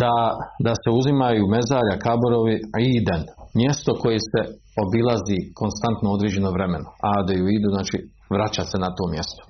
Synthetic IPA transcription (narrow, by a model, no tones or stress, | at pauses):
d̪̥ad̪ase̞uzimajume̞zaːʎakaboɾoʋiiːd̪anmje̞st̪o̞ko̞jese̞ | o̞bilˠazikʰo̞nst̪ant̪nood̪ɾeːd͡ʑe̞noʋɾe̞me̞noad̪ajuiːd̪uznaːt͡ʃi | ʋɾat͡ɕase̞nat̪o̞ːmje̞st̪o̥